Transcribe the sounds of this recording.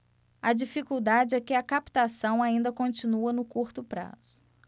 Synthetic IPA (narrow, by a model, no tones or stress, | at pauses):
ɐd͡ʒifikuwd̪ad͡ʒɪɛkɪɐkapt̪asɐ̃w̃aĩnd̪ɐkõt͡ʃinuɐnʊkuɾt̪ʊpɾa̰z̥ʊ̥